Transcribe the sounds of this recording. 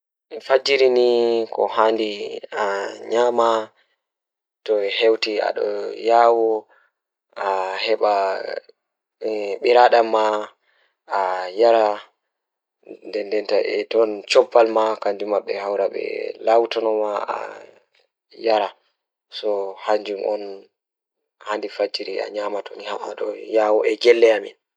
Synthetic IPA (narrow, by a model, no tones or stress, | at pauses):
fad͡ʒiɾinikʰɔ̰handiaɲama | tɔhewtia̰ɗɔ̰jawɔ | ahɛɓa | ɓiɾaɗamːa | ajaɾa | ndɛndɛntaʔɛtɔnt͡ʃɔbːalmakaɲd͡ʒumːaɓːɛhawɾaɓɛ̰lawtɔnɔmaa̰ | jaɾa | sɔhaɲd͡ʒumʔɔn | handifad͡ʒiɾia̰ɲamatɔnihaaɗɔjawɔɛɡɛlːɛamḭn